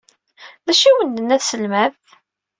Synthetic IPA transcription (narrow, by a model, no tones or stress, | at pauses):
ðæʃiwənd̪ənːæθsəlmæð